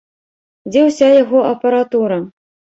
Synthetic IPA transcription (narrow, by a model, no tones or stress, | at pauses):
d͡zʲɛwsʲajaɣɔʔɐpɐɾat̪uɾɐ